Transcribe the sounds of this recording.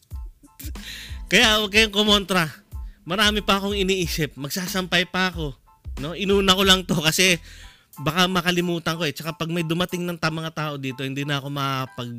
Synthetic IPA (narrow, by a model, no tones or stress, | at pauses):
kɐjaʔwɐɡ̚kɐjoŋkomo̞nt̪ɾɐmɐɾaːmɪpɐɐko̞ŋɪniʔiːsɪp̚mɐɡsaːsɐmpajpɐɐko̞ | no̞ʔɪnuːnɐko̞lɐŋt̪o̞kɐsɛ | bɐkamɐkɐlɪmuːt̪ɐŋko̞ɛt͡ʃɐkapɐɡ̚mɐjd̪ʊmɐt̪ɪŋnɐŋt̪amɐŋat̪aːʔo̞d̪iːt̪o̞hɪnd̪inɐɐko̞mɐpɐɡ̚